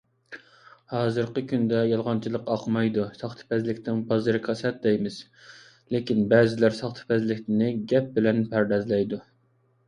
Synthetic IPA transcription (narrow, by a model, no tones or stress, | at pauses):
hɑːzɨɾqəkʲynd̪ɛjɑlˠʁɑnt͡ʃʰilˠəqɑqmɑjd̪usɑχt̪ʰɨ̥pʰɛzlɪkʲt̪ʰɪŋbɑzɨɾɨqʰɑsɛt̪̚d̪ɛjmɪz̥ | lekʲinbɛːzɪlæɾsɑχt̪ʰɨ̥pɛzlɪkʲt̪ɪnɪɡʲɛp̚bɪlɛnpʰæɾd̪ɛzlɛjd̪u